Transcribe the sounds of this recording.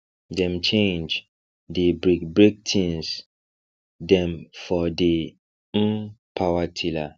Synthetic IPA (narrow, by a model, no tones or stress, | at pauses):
dɛ̃mt͡ʃẽnd͡ʒ | debɹikbɹik̚tʰĩns | dɛ̃mfɔdi | pʰawatʰila